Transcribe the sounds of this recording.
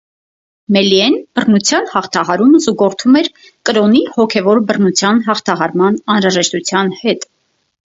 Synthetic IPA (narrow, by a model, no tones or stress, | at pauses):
mɛliɛnb̥ərnut͡sʰjɑnhɑχt̪ʰɑɦɑɾuməzuɡɔɾt̪ʰumɛɾ | kəɾɔnihɔkʰɛvɔɾbərnut͡sʰjɑnɦɑχt̪ʰɑɦɑɾmɑnɑnɾɑʒɛʃt̪ut͡sʰjɑnhɛt̪